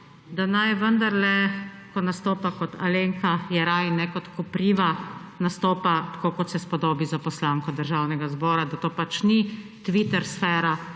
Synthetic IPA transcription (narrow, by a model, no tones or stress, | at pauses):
d̪anajʋənd̪aɾlɛkɔnast̪oːpakɔt̪ʰa̰leŋkajɛɾajnɛkɔt̪kɔpɾiːʋanast̪oːpat̪ḁkoːkɔt̪sɛspɔd̪oːbizapɔslaːŋkɔd̪əɾʒawnɛɡazbɔːɾad̪at̪oːpat͡ʃnit̪ʋit̪ɛɾsfɛɾa